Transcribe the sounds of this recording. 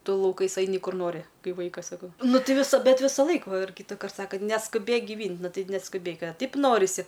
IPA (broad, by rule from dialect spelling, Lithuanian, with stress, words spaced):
ˈtʊ lˠɐʊˈkɐɪs ˈɐɪnʲɪ ˈkʊr ˈnoːrʲɪ ˈkɐɪ ˈʋɐɪkɐs sɐˈkɐʊ ˈnʊ ˈtʲɪ ʋʲɪˈsɐ bʲɛt ˈʋʲɪsɐˌlˠɐɪk ʋɐ ɪr kʲiːtɐˈkɐrt ˈsɑːkɐ nʲɛskʊˈbʲeːk ɡʲɪˈʋʲiːnʲtʲ ˈnʊ ˈtɐɪ nʲɛskʊˈbʲeːk ɐ ˈtɐɪp ˈnoːrʲɪsʲɪ